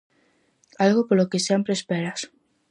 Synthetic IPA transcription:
alɣopolokesjempɾeːspeɾas

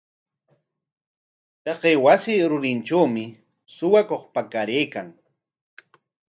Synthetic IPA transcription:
t̪ɑqejwasɪːɾʊɾɪnʈ͡ʂawmɪ | sʊwakoχpakaɾeːkaŋ

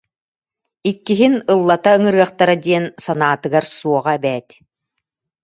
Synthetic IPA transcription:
ikːiɦinɯlˠːat̪aɯŋɯɾɯɐχt̪aɾad̪iɛnsanaːt̪ɯɡaɾsuɔʁaɛbɛːt̪

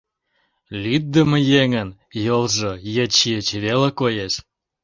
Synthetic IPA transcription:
lʲyt̪̚d̪ə̆mə̆jeŋən | jolʒɤjĕt͡ɕiət͡ɕvelekojeʃ

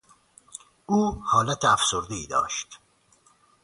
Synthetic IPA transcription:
ʔuːhɒːlæt̪ʰeæfsoɾd̪eiːd̪ɒ̰ːʃt̪

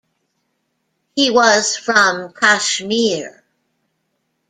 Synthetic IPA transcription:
hiwʌz̥fɹʌ̃mkʰæʃmiɹ

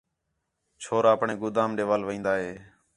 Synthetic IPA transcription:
t͡ʃʰoːɾaːəpɳẽːɡʊd̪aːmɖeːʋaːlʋĩːnd̪aːɦeː

